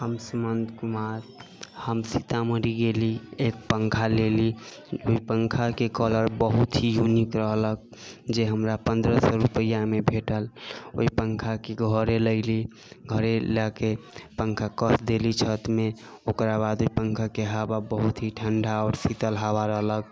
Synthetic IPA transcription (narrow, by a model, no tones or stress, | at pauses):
həmsəmənd̪ʱkumaɾhəmsit̪aməɾiɡeliek̚pəŋkʰaleli | oipəŋkʰakekələɾbəɦut̪ɦijunikɾəɦlək̚d͡ʒeɦəmɾapənd̪ɾəsɔɾupəjamebʱeʈəlo̰ipəŋkʰakeɡʱəɾeləɪli | ɡʱəɾeləkepəŋkʰakəsd̪elit͡ʃʰət̪me | okɾabad̪oipəŋkʰakeɦababəɦut̪ɦiʈʰəɳɖaɔːɾsit̪əlɦaβaɾəɦlək̚